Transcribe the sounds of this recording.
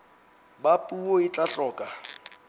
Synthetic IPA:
bapʼuoɪt͡ɬʼaɬɔːkʼa

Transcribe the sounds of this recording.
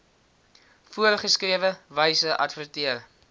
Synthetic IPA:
fuəɾχəskriəvəvəjsəʔɐ̰tfərtiər

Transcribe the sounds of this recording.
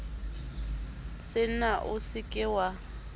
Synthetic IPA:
sɪnaʔʊsɪkʼɪwa

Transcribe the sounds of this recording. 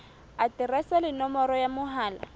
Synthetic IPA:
atirɛsalɪnɔmɔɾɔjamʊɦaːla

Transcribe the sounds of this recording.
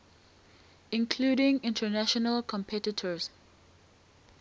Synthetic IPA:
ɪ̃nkʰluːɾɪ̃ŋɪ̃ntʰənaʃɔnəlkʰɔ̃mpʰɛtɪtʰəz̥

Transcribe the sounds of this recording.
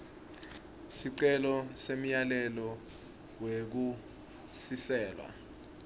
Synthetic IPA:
siǀɛlɔsem̩jalɛlɔ | wek̬u | sisɛːlwa̰

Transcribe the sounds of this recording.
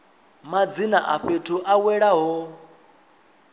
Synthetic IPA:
mad͡zinaʔaɸetʰuʔawɛɺaɦɔ

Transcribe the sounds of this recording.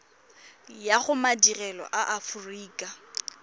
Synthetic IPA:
jaχʊmadirɛlɔ̰ʔaʔafʊriːkʼa

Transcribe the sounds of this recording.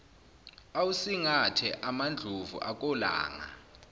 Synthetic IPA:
awusiŋatʰɛʔamand͡ɮʱuvṵʔak̬ʼɔla̰ːŋa̰

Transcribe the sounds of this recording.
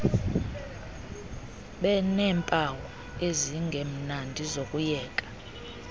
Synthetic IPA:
ɓɛnɛːmpʼawɔ | eziŋɡʱem̩nandʱizokʼujɛːkʼḁ

